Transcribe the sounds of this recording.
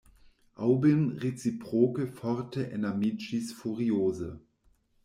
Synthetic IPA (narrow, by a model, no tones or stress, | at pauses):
ʔaʊbɪmʁet͡sipʁ̥oːkəfɔʁtəʔɛ̰namit͡ʃisfuʁioːzə